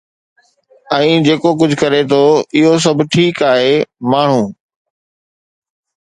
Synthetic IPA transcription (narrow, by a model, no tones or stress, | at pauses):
ɛ̃ːd͡ʑeːkok̬ʊd͡ʑʱʊkɐɾet̪ʰoɪɦos̬ɐbʱʈʰiːkaːɦeːmaːɳ̤ũː